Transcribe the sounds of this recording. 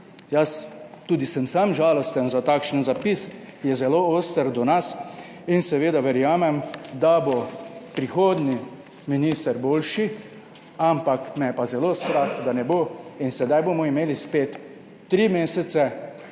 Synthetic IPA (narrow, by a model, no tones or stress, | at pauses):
jast̪uːd̪isɛmsamʒaːlɔst̪ənzat̪aːkʃənzapis | jɛzɛlooːst̪əɾd̪ɔnas | insɛʋeːd̪aʋɛɾjaːmɛmd̪abopɾixoːd̪ni | minist̪əɾboːlʃi | ampakmɛjɛpazɛloːst̪ɾaxd̪anɛboinsɛd̪ajboːmɔimeːlispeːt̪ː | ɾimeːsɛsɛ